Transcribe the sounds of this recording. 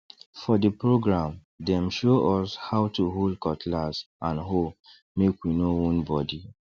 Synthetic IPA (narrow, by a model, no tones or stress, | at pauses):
fɔdəpɹoɡɹãm | dɛ̃mʃoʔɔshawtuɦold̚kɔtlas | ãnɦo | mekwinowɔ̃nbɔdi